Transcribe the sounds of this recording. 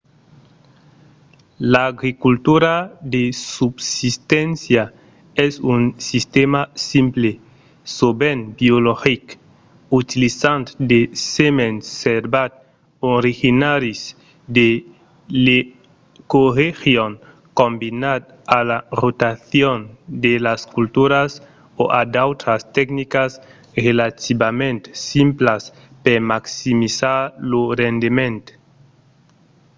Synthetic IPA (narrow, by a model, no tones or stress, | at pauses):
laːɣɾikult̪uɾad̪esubsist̪ɛ̃nsja | ɛsunsist̪emasimple | sobenbioloxik | ut̪ilisant̪d̪esemẽnseɾbat̪̚ | oɾixinaɾis | d̪e | le | korexjoŋ | kombinad̪̚ | alarot̪aθjond̪elaskult̪uɾas | oʔad̪awt̪ɾast̪ɛknikas | relat̪ibamẽnt̪simplas | peɾmaksimisaɾlorend̪imẽnt̪